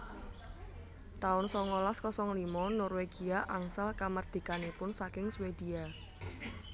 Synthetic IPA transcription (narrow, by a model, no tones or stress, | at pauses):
t̪aʊnsɔŋɔlaskɔsɔŋlimɔnɔrweɡ̥iaʔaŋsalkamard̪̥i̤kanipʊnsakɪŋswed̪̥ia